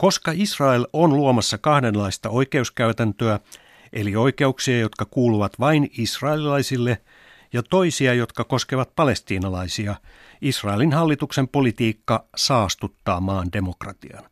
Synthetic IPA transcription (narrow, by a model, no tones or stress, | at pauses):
ko̞skɑisrɑelonluomɑsːɑkɑhdenlɑist̪ɑoikeuskæyt̪ænt̪øæ | ʔelioikeuksiɑjot̪kɑkuːluʋɑt̪ʋɑinisrɑelilɑisilːe | jɑt̪oisiɑjo̞t̪kɑko̞skeʋɑt̪̚pɑle̞st̪iːnɑlɑisiɑ | isrɑelinhɑlːit̪uksempolit̪iːkːɑsɑːst̪ut̪ːɑːmɑːnde̞mokrɑt̪iɑ̰n